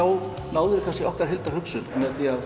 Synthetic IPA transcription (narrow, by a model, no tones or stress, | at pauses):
aːw | naːwðʏɾɪkʰascɪʔɔhkaɾ̥ɦɪlt̪aɾ̥hʏksʏlmɛt̪iað